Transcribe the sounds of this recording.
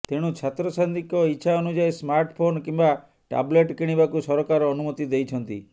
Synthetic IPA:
t̪eɽ̃ut͡ʃʰat̪ɾɔsand̪ikɔiːt͡ʃʰaɔnud͡ʒajsmaɾʈpʰonkimba | ʈa̰bleʈkiɽ̃ibakusɔɾɔkaɾɔːnumɔt̪id̪ejt͡ʃʰɔnt̪ḭ

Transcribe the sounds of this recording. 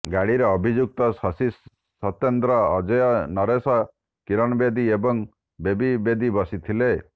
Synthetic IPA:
ɡaɽiɾeɔbʱid͡ʒuk̚t̪ɔssi | sɔt̪jend̪ɾɔːd͡ʒɔjɔnɔɾesɔ | kiɾɔñɔbed̪iebɔŋ | bebibed̪ibɔsit̪ʰile

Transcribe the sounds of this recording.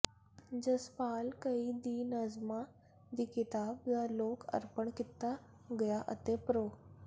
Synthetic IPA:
d͡ʑəspaːlkəid̪iːnəzma | d̪ikit̪aːb̚jaloːkʰə̰ɾpəɳkit̪ːa | ɡəjaʔə̰t̪epɾo

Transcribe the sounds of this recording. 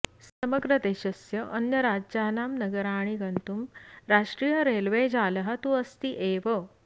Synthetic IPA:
sɐməɡɾət̪eɕəsjɐʔənjɐɾad͡ʑd͡ʑaːnamnɐɡəɾaːɽ̃iɡɐnt̪umɾaʂʈɾiːjəɾelʋed͡ʑaːlɐɦat̪uəst̪iʔeʋə

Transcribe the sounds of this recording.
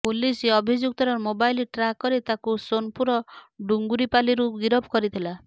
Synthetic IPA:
poliseɔbʱid͡ʒuk̚t̪ɔɾɔɾmobajliʈɾakɔɾit̪akusonpuɾɔɖuŋɡuɾipaliɾuɡiɾɔbʱɔkɔɾit̪ʰila

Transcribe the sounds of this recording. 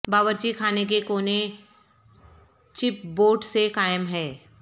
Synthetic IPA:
baːʋəɾt͡ʃikʰaːnek̬ekoːne | t͡ʃɪp̚boːʈsekaːjəmɦɛː

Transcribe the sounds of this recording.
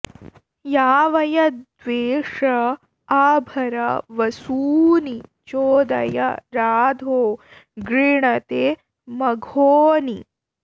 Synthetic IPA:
jaːʋɐjɐd̪ʋeːʂɐ | aːbʱɐɾɐ̰ʋɐsuːnit͡ʃoːd̪ɐ̰jɐ̰ɾaːd̪ʱoː | ɡɾiɳɐt̪eː | mɐɡʱoːni

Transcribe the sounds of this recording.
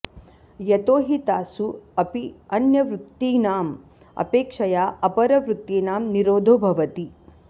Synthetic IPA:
jɐt̪oːɦit̪aːsuɐpiɐnjɐʋɾut̪ːiːnaːm | ɐ̰peːkʂɐjaːɐpɐɾɐʋɾut̪ːiːnaːmniɾoːd̪ʱoːbʱɐʋɐt̪i

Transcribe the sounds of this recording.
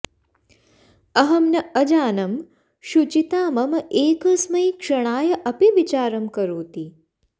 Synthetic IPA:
ɐɦɐmnɐɐd͡ʒaːnɐm | ʃut͡ʃit̪aːmɐmɐʔeːkɐsmɐjkʂɐɳ̃aːjɐʔɐpiʋit͡ʃaːɾɐmkɐɾuːt̪i

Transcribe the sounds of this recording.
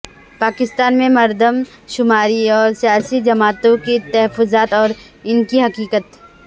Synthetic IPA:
paːkɪst̪aːnmẽmɐɾd̪ʱəm | ʃʊmaːɾiɔːɾsijaːsid͡ʒɐmaːt̪õkit̪ɛɦəfʊzaːt̪ɔːɾ | ɪnkiɦɐkiːkət̪

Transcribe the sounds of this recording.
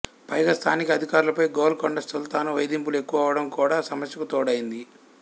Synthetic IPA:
pɐjɡast̪ʰaːnikɐd̪ʱikaːɾulɐpɐjɡoːlkoɳɖɐssult̪aːnuʋɐjd̪imp̬ulue̞kːuʋɐːʋɐɽɐmkuːɽaːsɐmɐsjɐkut̪ɔːɽɐjind̪i

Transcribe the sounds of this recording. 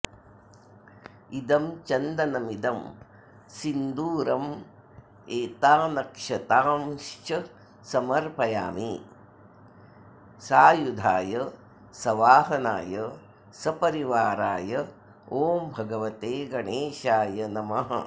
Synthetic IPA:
id̪ɐmt͡ʃɐnd̪ɐnɐmid̪ɐm | sind̪uːɾɐm | eːt̪aːnɐkʂɐt̪aːmʃt͡ʃɐ | sɐmɐɾpɐjaːmi | saːjud̪ʱaːjɐ | sɐʋaːɦɐna̰ːjɐ | sɐpɐɾiʋaːɾaːjɐ | oːmbʱɐɡɐʋɐt̪eːɡɐɳeːʃaːjɐnɐmɐɦɐ

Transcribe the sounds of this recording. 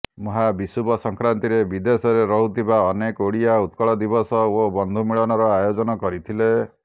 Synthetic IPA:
muɦabisubɔsɔŋkɾant̪iɾebid̪esɔɾeɾɔɦut̪ʰibaɔnekoɽijaut̪kɔɭɔd̪ibɔsɔobɔnd̪ʱumiɭɔnɔɾɔajod͡ʒɔnɔkɔɾit̪ʰile

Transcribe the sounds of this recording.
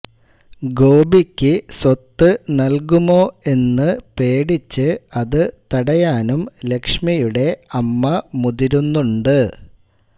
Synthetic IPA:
ɡo̞ːbikʲːɨswɐt̪ːɨnɐlkumo̞ːe̞nːɨpe̞ːɽit͡ɕːɨɐðɨt̪ɐɽɐjaːnumle̞kʂmijuɽe̞ɐmːɐmuðiɾunːuɳɖɨ

